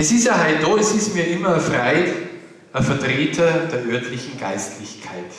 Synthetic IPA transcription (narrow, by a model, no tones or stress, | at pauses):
ʔɛsɪstɐɦaɪdoɛsɪstmiːɐʔɪmɐɐfʁaɪ | ɐfɛɐtʁ̥eːtʰɐd̥eːɐʔœɐtʰlɪçn̩ɡ̥aɪstʰlɪçkʰaɪt